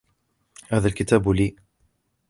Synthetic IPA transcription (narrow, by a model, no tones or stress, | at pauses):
haːðalkɪt̪aːbliː